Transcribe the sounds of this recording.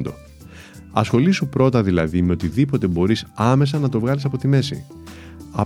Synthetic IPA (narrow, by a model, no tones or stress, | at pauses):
nd̪o̞̰ | ɐsxo̞lisupɾo̞t̪ɐðilɐðime̞o̞t̪iðipo̞t̪e̞bo̞ɾisɐme̞s̬ɐnɐt̪o̞vɣɐlis̬ɐpo̞t̪ime̞sḭ | ɐ